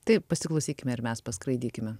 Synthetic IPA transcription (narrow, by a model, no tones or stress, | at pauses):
t̪ɐɪpɐsʲɪklˠɐʊsʲiːkʲɪmʲɛɪɾmʲɛspɐskɾɐɪd̪ʲiːkʲɪmʲɛ